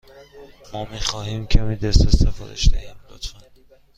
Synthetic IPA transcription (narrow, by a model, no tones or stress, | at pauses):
mɒːmiːxɒːhiːmcʰæmiːd̪est̪est̪efɒ̰ːd̪eʃd̪æhæmd̪ɒt̪an